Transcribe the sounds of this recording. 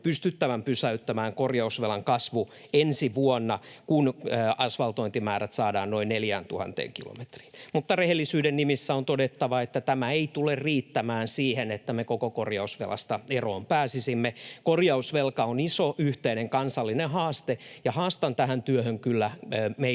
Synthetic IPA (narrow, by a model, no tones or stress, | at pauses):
pyst̪yt̪ːæʋæmpysæyt̪ːæmæːŋkorjɑusʋelɑŋkɑsʋu | ensiʋuonːɑkunøːɑsʋɑlt̪oint̪imæːɾæt̪sɑːdɑ̰ːnnoinneljæːnt̪uhɑ̰nt̪ḛːŋkilo̰me̥t̪ri̥ːmut̪ːɑrehelːisyːdennimisːæont̪odet̪ːɑʋɑet̪ːæt̪æmæeit̪ulerriːt̪ːæmæːnsiːhenet̪ːæmekokokorjɑusʋḛlʔɑ̰st̪ɑeroːmpæːsisimːekorjɑusʋelkɑonisoʔyht̪eineŋkɑnsɑlːinehɑːst̪ejɑhɑːst̪ɑnt̪æhænt̪yøhøŋkylːæme